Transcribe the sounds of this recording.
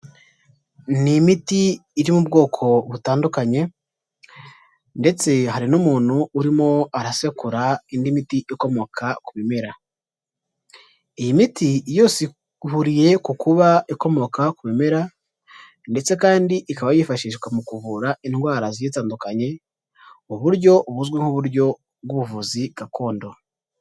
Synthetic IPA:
nimitiːɾimubɡo̞ːkʰo̞βutaːndukaɲe̞ | nde̞t͡se̞haɾinumuːn̤̥huːɾimo̞aɾase̞kuɾaindimitiʔiko̞mo̞kʰakumeme̞ɾa | ijimitijo̞ːsi | huɾije̞kukuβaiko̞mo̞kakuβime̞ɾa | nde̞t͡se̞kaːndiʔikaβajifaʃiːʃɡwamukuβuɾainɡwaːɾazijetaːndukaɲe̞ | uβuɾɟo̞βuzɡweŋhuβuɾɟo̞ | βɡuβuvuziɡ̥akʰo̞ːndo̞

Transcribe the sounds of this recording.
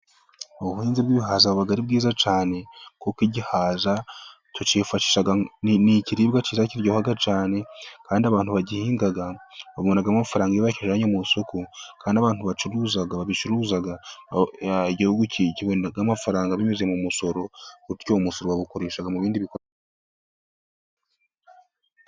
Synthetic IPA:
oβuheːnzibɡiβiɦaːzaβuβaɡaɾibɡiːzat͡ʃaːne̞kokiɟihaːza | tot͡ʃeːfaʃiːʃaɡaniciɾiːbɡaciːzaciɾɟoːhaɡat͡ʃaːne̞kaːndiaβaːntuβaɟihiːŋɡaɡaβaβonaɡamafaɾaːŋɡaijiβaʃeʒaɲomusokʰokaːndiaβaːn̥tuβat͡ʃuɾuːzaɡaβaβit͡ʃuɾuzaɡa | iɟihuɡuiciβonaɡamafaɾaːŋɡaβimeze̞mumuso̞ɾo̞kuomuso̞ɾowaβuko̞ɾe̞ːʃaɡamuβiːndiβiko

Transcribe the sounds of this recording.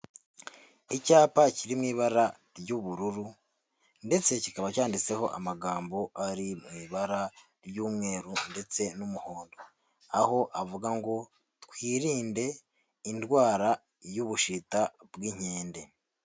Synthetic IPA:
icaːpaciɾimŋiːβaɾa | ɾɟuβuɾuɾu | nde̞t͡se̞cikaβacaːndit͡se̞ho̞ʔa̰maɡaːmbo̞aɾimŋiːβaɾa | ɾjuːmŋe̞ːɾunde̞t͡se̞numuho̞ːndo | aho̞ʔavuɡaŋɡo̞ | tkwiːɾiːnde̞ | indɡwaːɾa | juβuʃitabɡiɲ̥e̞ːnde̞

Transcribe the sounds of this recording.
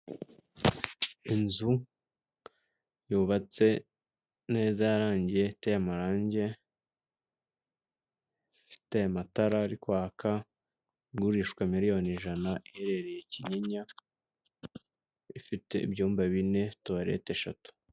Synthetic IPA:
inzu | juːβat͡se̞ | ne̞ːzajaɾaːɲɟijetejamaɾaːɲɟe̞ | fi̥tejamataɾaɾikwaːkʰa | ɡuɾiʃkwamiɾijo̞niʒanaʔiheɾe̞ɾe̞jeciɲeɲa | ifite̞ḭβɟuːmbaβine̞tuβaɾḛteʃa̰tu̥

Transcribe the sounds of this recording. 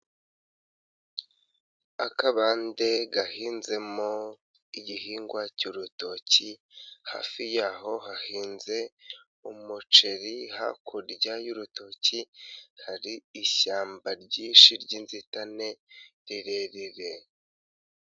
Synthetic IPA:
akaβaːnde̞ɡahiːnze̞mo | iɟihiːŋɡwacuɾuto̞ciha̰ːfijaːɦo̞hahiːnze̞ | umut͡ʃe̞ɾiha̰kʰuɾɟajuɾuto̞ːcihaɾiːʃaːmbaɾɟiːʃiɾɟiːnzitane̞ɾiɾe̞ɾiɾe̞

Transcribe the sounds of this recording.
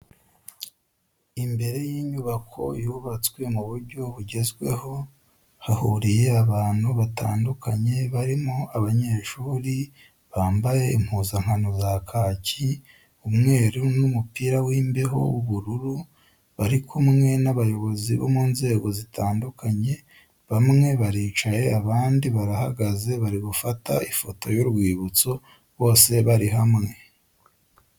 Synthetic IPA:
imbe̞ɾe̞jiːɲuβakʰo̞̰juβat͡swe̞muβuɾɟo̞βuɟe̞zɡwe̞̰ho̞ | hahuɾijeaβaːn̥huβata̰ːndukaɲe̞βaɾimoaβaɲe̞ːʃuːɾi | βaːmbaje̞im̥huːzaŋ̥hanozakʰaːci | umŋe̞ːɾunumupiːɾawiːmbeɦo̞̰wuβuɾuɾu | βaɾikʰumŋe̞naβajo̞βo̞ziβo̰muːnze̞ːɡo̞zitʰaːndukaɲe̞ | βamŋe̞βaɾiːt͡ʃaje̞aβaːndiβaɾahaɡaze̞βaɾiɡufataifo̞to̞juɾɡwiːβut͡so̞ | βo̞ːse̞βaɾiɦamŋe̞

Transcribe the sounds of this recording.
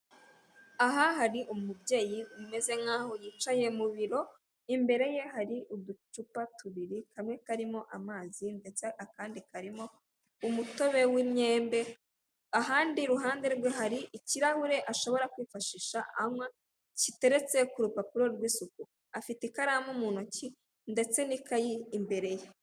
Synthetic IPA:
aɦaɦaɾiʔumubje̞ːjiume̞ze̞ŋaːho̞jiːt͡ʃaje̞muβiɾo̞ | imbe̞ɾe̞je̞haɾiʔud̪ut͡ʃupatuβiɾihamŋe̞kaɾimo̞ʔamaːzindet͡seakaːndikaɾimo̞ | umuto̞βe̞wimɲe̞ːmbe̞ | aɦaːndiɾuɦaːndeɾweɦaɾiʔːciɾahuɾe̞ʔaʃo̞βo̞ɾakwiːfaʃiʃaʔamwa | cite̞ɾe̞t͡se̞kuɾupapuɾoɾwiːsuku | afitekaɾamumuːnoci | nde̞t͡se̞nikajiːmbe̞ɾe̞je

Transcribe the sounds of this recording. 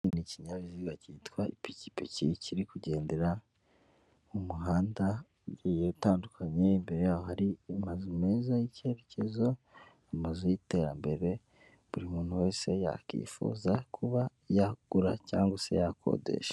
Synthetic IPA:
niciɲaβiziɡacitkwaḭpici̥piciciɾikuɟe̞ːnde̞ɾa | umuɦaːnda | uɟiːjeutaːndukʰaɲe̞imbe̞ɾe̞jaːwo̞haɾiamazume̞ːzajice̞ɾece̞zo̞ | amazujite̞ɾa̰mbe̞ɾe̞ | βuɾimuːn̥huwe̞ːse̞ja̰kḭːfṵːzakʰuβa | jaɡ̥uɾaca̰ːŋɡwase̞̰jakʰo̰dḛʃḁ

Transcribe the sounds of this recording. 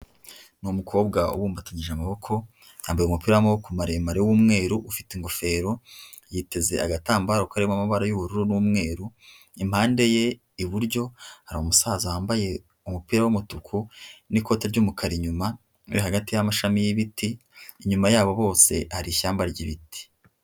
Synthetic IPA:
numukʰo̞ːbɡaṵwuːmbataɲiʒeamaβo̞kʰo̞ | ja̰ːmbajeumupiːɾawamawokumaɾemaɾewumŋe̞ːɾuʔufi̥teŋɡo̞fe̞ːɾo̞ | jite̞ze̞a̰ɡataːmbaɾokaɾemwamaβaɾajuβuɾuɾunumŋe̞ːɾu | imhaːnde̞je̞ | iβuɾɟo̞haɾaumusaːzahaːmbaje̞ | umupiːɾawumutukʰuniko̞ːteɾɟumukʰaɾiɲuma | uɾihaɡatijamaʃamijiβitiːɲumajaːβo̞βo̞ːse̞̰haɾiçaːmbaɾɟiβiti̥

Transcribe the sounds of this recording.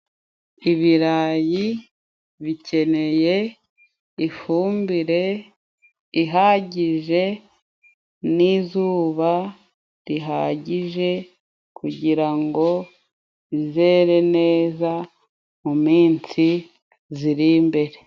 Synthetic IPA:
iβiɾaːji | βicʰe̞ne̞je̞ | ifuːmbiɾe̞ | iɦaɟiʒe̞ | nizuːβa | ɾiɦaɟiʒe̞ | kuɟiɾaŋɡo̞ | βizeːɾe̞ne̞ːza | mumiːnsi | ziɾimbe̞ɾe̞

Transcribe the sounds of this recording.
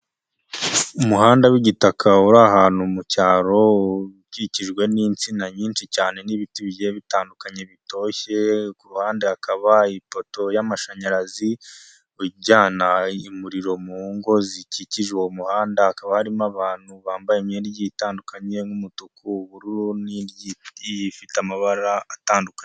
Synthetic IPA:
umuɦaːndawiɟitakʰauɾaɦaːnumucaːɾo̞βiciciʒɡwe̞nint͡sinaɲiːnʃicaːne̞niβitiβje̞βitaːndukaɲe̞βito̞ːçe̞kuɾuhaːnde̞akaβaipo̞to̞jamaʃaɲaɾazi | uɟaːnaimuɾiɾo̞muŋɡo̞ziciciʒewomuhaːndahakaβahaɾimaβaːn̥huβaːmbajemjeːnjitaːndukaɲe̞ŋumutukʰuβuɾuɾunijiifitamaβaɾaataːndukaɲe

